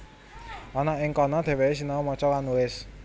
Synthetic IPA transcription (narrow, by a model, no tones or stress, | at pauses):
ʔɔnaʔɪŋkɔnɔd̪̥ɛ̤weesinamɔt͡ʃɔkanuɪs